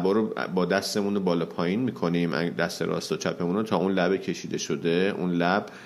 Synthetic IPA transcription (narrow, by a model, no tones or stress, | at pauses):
bɒːɾo̰bɒːd̪æst̪e̞munobɒːlɒːpʰɒːjiːnmiːkʰo̞niːmʔæ̰d̪æst̪e̞̰ɾɒ̰ːst̪ɒːt͡ʃʰæpʰe̞munot̪ʰɒːunlæbecʰe̞ʃiːd̪e̞ʃo̞d̪e̞ʔṵnlæb̥